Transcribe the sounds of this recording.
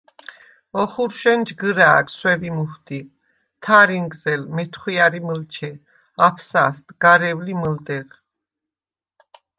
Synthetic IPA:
ɔχuɾʃɛnd͡ʒɡəɾaːɡswɛvimuhd̪i | t̪ʰaɾiŋɡzɛlmɛt̪ʰχwiaɾiməlt͡ʃʰɛ | apʰsast̪ɡ̥aɾɛvliməld̪ɛʁ

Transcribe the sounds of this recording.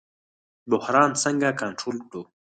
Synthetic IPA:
bʊhɾɑːnsəŋɡakaɳʈɾoːlkɽo

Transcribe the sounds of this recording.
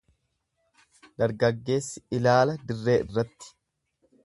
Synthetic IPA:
d̪ɐɾɡɐɡːe̞ːsːɪɪlaːlɐd̪ɪrːe̞ːʔɪrːɐt̪ːɪ̥

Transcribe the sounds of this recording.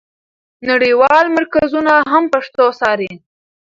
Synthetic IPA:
naɽiwɑlmaɾkazunaɦampaʂt̪osɑɾi

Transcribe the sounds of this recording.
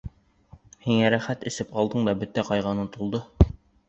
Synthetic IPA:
hiŋæɾæχæt̪ɘ̆sɘp̚qɑlˠd̪ɤɴd̪ɒbɵt̪æqɑjʁɑnɤnt̪ulˠd̪ɤ

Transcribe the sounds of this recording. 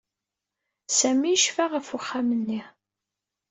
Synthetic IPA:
sæmiəʃfaʁəfʊχːamənːi

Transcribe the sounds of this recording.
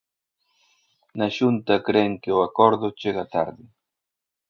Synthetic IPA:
naʃunt̪akɾeŋkɪoakoɾðʊt͡ʃeɣat̪a̰ɾðɪ

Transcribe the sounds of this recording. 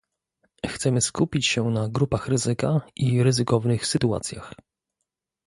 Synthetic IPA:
xt̪sɛmɘskupʲit͡ɕɕɛnaɡɾupaxɾɘzɘkaʔiɾɘzɘkɔvnɘxsɘt̪ua̰t̪sʲja̰x

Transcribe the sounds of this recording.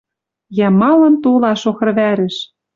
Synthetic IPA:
jæmɑlɤ̆nt̪olɑʃoxɤ̆rβæɾɘ̆ʃ

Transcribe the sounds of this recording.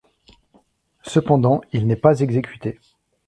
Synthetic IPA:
səpɑ̃d̪ɑ̃ilnɛpazɛɡzekʲyt̪e

